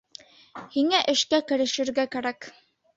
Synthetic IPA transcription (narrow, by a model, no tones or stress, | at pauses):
hiŋæʔɘ̆ʃkækɘ̆ɾɘ̆ʃɘ̆ɾɡækæɾæk